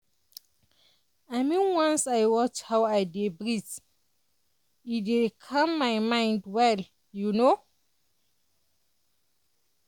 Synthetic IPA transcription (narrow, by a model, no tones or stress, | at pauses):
amĩnwãnsajwɔt͡ʃhawajdebɹis | idekʰãmːajmãj̃ndwɛl | juno